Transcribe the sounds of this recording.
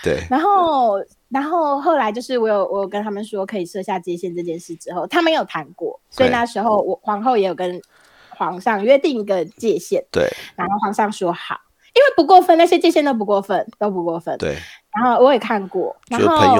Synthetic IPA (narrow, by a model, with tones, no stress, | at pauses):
t̪ḛ˨˩na˧˥nxo˥˩˧ʊ | na˧˥nxo˥˧ʊxo˥˩ʊla˧ɪt͡ɕjo˥˧ʊʂɻ̩˥˩wɔ˦˥jo˨˩ʊwʔɔ˦˥jkə˦nt̪ʰa˥mə˨nʂwɔ˥kʰɤ˧˥i˨˩ʂɤ˥˧ɕja˥˧t͡ɕjɛ˥˧ɕjɛ˥˧nʈ͡ʂɤ˥˧t͡ɕjɛ˥˧nʂɻ̩˥˩ʈ͡ʂɻ̩˧˥xo˥˩ʊt̪ʰa˥me˧˥ɪjo˨˩ʊt̪ʰa˧˥nkwɔ̰˥˩swɔ˥ḭ˨na˥˩ʂɻ̩˧˥xo˥˧ʊwɔ˨˩xwɑ˧˥ŋxo˥˧ʊjɛ˧˥jo˨˩ʊkə˦n | xwɑ˧˥ŋʂɑ˥˧ŋɥɛ˥˧t̪i˥˩ŋi˧˥ɡə˨t͡ɕjɛ˥˧ɕjɛ˥˩nt̪ḛ˥˩na˧˥nxo˥˩ʊxwɑ˧˥ŋʂɑ˥˩ŋʂwɔ˥xɑ̰˨˩˦ʊ | i˥nwe˥˩ɪpu˧˥kwɔ˥˧fə˥˧na˥˩ɕjɛ˥t͡ɕjɛ˥˧ɕjɛ˥˧nt̪o˥ʊp̬u˧˥kwɔ˥˧fə˥˩nt̪o˥ʊp̬u˧˥kwɔ˥˩fə̰˥˩nḛ˥˩na˧˥nxo˥˩ʊwɔ˨˧˥jɛ˨˩kʰa˥˧nkwɔ̰˥˨˩na˧˦nxo˥˩ʊ